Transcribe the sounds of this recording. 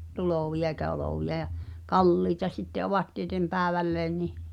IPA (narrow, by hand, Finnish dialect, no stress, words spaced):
tuloˑʋiɑ eikæ oloˑʋiɑ j̆ɑ kɑlːiːtɑ sitːe oʋɑt tietem pæːĕʋælːeːn nih